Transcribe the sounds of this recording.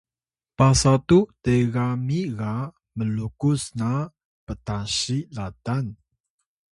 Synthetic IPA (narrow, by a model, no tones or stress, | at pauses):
pasat̪ut̪eramira | məlukusna | pət̪aʃiladan